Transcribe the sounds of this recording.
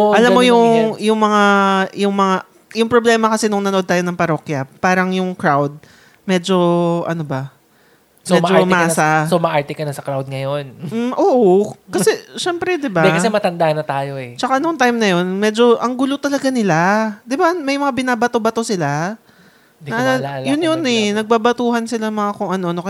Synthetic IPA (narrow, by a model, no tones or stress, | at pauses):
oʔɐlamːojʊŋjʊŋmɐŋajʊŋmɐŋa | jʊŋpɾoblɛːmɐkɐsɛnʊŋnɐnoʔo̞d̪̚t̪aːjonɐŋpɐɾo̞kjɐpaːɾɐŋjʊŋkɾawd̪̚ | mɛːd͡ʒo̞ʔɐ̰nobɐ | smoɛmd͡ʒomaɐːsasomɐʔaɹt̪ɛkɐnɐsɐkɾawd̪̚ŋɐjonm̩ʔoːʔokɐsɛʃɛmpɾɛd̪ɪbad̪ɛɐsɛmɐt̪ɐnd̪aʔnɐt̪aːjoɛt͡ʃɐkanoŋt̪ajmnɐjo̞nmɛd͡ʒo̞ʔɐŋɡʊlot̪ɐlɐɡanɪlad̪ɪbamɐjmɐŋabɪnaːbɐt̪obɐt̪osɪla | d̪nɐʔaajʊnjonɛnɐɡ̚baːbɐt̪uːhɐnsɪlaŋmɐŋakoŋʔɐno̞no̞kɐ